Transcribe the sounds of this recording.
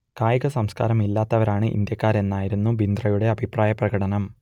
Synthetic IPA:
kaːjɐɣɐsɐmska̰ːɾɐmilːaːt̪ːɐʋɐɾaːɳɨʔḭnd̪jɐkːaːɾe̞nːaːjiɾunːubind̪rɐjuɽe̞ɐbʱipraːjɐprɐɡɐɽɐnɐm

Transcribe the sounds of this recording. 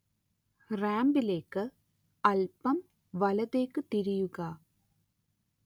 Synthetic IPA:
raːmbileːkːɨ | ɐlpɐm | ʋɐlɐðeːkːɨt̪iɾijuɣɐ

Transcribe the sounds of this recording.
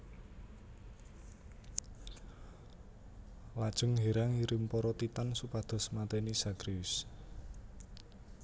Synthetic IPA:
lad̥ʒ̥ʊ̤ŋɦeɾaŋiɾɪmpɔɾɔt̪it̪ansupad̪̥ɔ̤smat̪enisaɡɾiʊs

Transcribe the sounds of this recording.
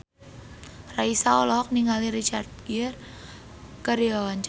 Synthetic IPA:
raisaɔlɔk̚niŋaliɾit͡ʃart̪̚ɡ̥ir | kəɾiawaɲt͡ʃ

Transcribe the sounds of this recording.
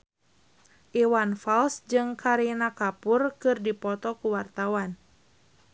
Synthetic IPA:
ʔiwanfalsd͡ʒɨŋkaɾinakapurkɨrdipɔt̪ɔkuwart̪awan

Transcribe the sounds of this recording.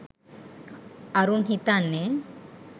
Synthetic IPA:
aɾunɦit̪anːe

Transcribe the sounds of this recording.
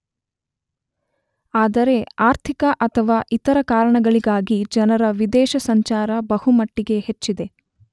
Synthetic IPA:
aːd̪ɐɾe̞aːɾt̪ʰikɐʔɐt̪ʰɐʋaːʔit̪ɐɾɐkaːɾɐɳɐɡɐɭiɡaːɡid͡ʒɐnɐɾɐʋid̪ɛːʃɐsɐɲt͡ʃaːɾɐbɐhumɐʈːiɡe̞het͡ʃːid̪e̞

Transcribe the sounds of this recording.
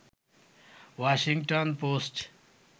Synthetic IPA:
ʋaʃĩŋɡʈonpoːsʈ

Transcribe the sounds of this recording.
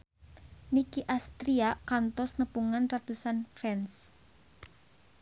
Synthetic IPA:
nikiʔast̪ɾiakant̪ɔsnəpuŋanrat̪usanfɛns

